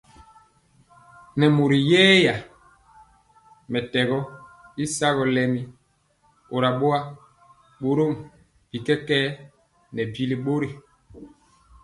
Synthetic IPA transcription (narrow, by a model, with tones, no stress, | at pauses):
nɛ˨mu˨ɾi˨jɛː˦ja˨ | mɛ˨tɛ˨ɣɔ˦i˦sa˦ɣɔ˨lɛ˦mi˦ | o˨ɾa˨ɓo˦a˦ | ɓo˨ɾo˦˨m | b̥i˨kɛ˦kɛː˦ | nɛ˨bi˦li˦ɓo˦ɾi˨